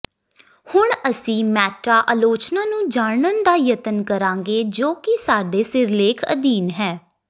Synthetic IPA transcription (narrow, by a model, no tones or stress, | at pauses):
hʊɳəsĩːmɛːʈaːʔaːloːt͡ʃnãːnũːd͡ʒaːɳənd̪aːjət̪ənkəɾãːŋɡeːd͡ʒoːkɪsaːɖeːsɪɾleːkʰə̰d̪iːnɦɛː